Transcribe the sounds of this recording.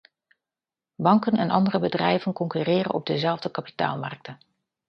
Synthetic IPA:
bɑŋkənɛnʔɑ̰ndərəbədrɛjvənkɔŋkyrɪːrə̰nɔb̚dəzɛlˠvdəkapi̥ta̰ːlˠmɑ̰rk̚tən

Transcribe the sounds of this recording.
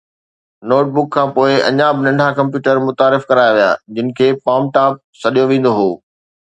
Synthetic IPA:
noːʈ̚bʊkʰːãːpoːɪɐ̰ɲaːbɪnɐ̃ɳɖʱakɐ̃mpjuːʈəɾmʊt̪aːɾɪfkɐɾaːjaʋija̰ːd͡ʑɪnɪ̆kʰeːpaːmʈaːp̚sɐɗijoʋẽːnd̪oɦoː

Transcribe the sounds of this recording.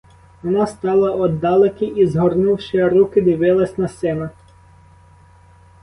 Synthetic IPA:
ʋɔnɑst̪ɑlˠɐʔɔd̪ːɑlˠɪkɪizɦɔrnuwʃɪɐɾukɪd̪ɪʋɪlˠɐsʲnɐsɛnɐ

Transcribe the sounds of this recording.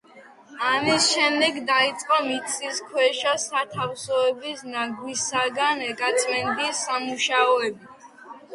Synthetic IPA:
amisʃɛmd̪ɛɡd̪ait̪sʼqʼɔmit̪sʰʼiskʰwɛʃasat̪ʰafsɔɛbisnaɡwisaɡanɛkʼat̪sʼmɛnb̪isamuʃaɔɛbi

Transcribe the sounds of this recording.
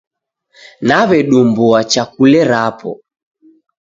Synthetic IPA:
naβɛɗumbuat͡ʃakulɛɾapʰɔ̰

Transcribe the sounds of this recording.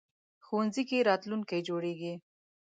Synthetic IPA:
xowanzikeɾɑt̪lunkajd͡ʒoɽeɡi

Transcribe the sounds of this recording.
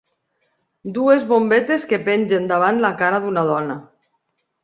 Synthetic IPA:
d̪uezβombet̪eskepenʲʒend̪aβ̞ant̪lakaɾaðunað̞ɔna

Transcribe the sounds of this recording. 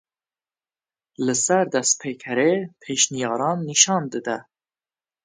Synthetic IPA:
lɨsæɾd̪ɛst̪̚pʰeːkʰɛɾeːpʰeːʃnijɑːɾɑːnːiʃɑːnd̪ɨd̪ɛ

